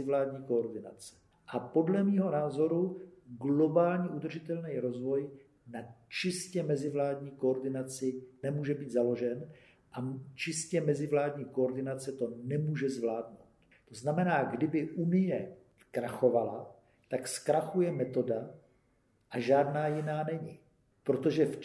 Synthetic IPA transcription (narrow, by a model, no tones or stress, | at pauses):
ɪvlaːdɲiːkoːɾdɪna̰t͡sɛ̥ | ʔapo̞dlɛmiːɦo̞naːzo̞ɾuɡlo̞baːlɲiʔud̪r̩ʒɪt̪ɛlnɛjɾo̞zvo̞j | nat͡ʃɪscɛmɛzɪvlaːdɲiːkooɾdɪnat͡sɪnɛmuːʒɛbiːd̪zalo̞ʒɛn | ʔat͡ʃɪscɛmɛzɪvlaːdɲiːkoːɾdɪnat͡sɛt̪o̞nɛmuːʒɛzvlaːdnowt̪ | t̪o̞znamɛnaːɡdɪbɪʔunɪjɛ | kɾaxo̞vala | t̪akskɾaxujɛmɛt̪o̞da | ʔaʒaːdnaːjɪnaːnɛɲɪ | pɾot̪o̞ʒɛf